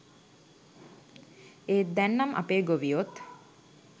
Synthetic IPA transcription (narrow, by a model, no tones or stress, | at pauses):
eːt̪̚d̪ænːamʔa̰peːɡoʋiot̪